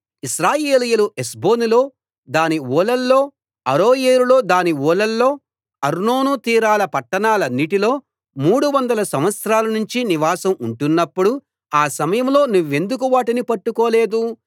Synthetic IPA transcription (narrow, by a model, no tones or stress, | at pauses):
iʃɾaːjeːlijuluʔesbo̞ːnilo̞ː | d̪aːniʋɔːlɐlːo̞ː | ɐɾoːjeːɾulo̞ːd̪aːniɔːlɐlːo̞ː | ɐɾno̞ːnut̪iːɾaːlɐpɐʈːɐɳaːlɐnːiʈilo̞ː | muːɽuʋɐnd̪ɐlɐsɐmʋɐt̪sɾaːlɐnuɲt͡ʃiniʋaːsɐmuɳʈunːɐpːuɽu | aːsɐmɐjɐmlo̞ːnuʋːe̞nd̪uk̬uʋaːʈinipɐʈːukoːle̞ːd̪u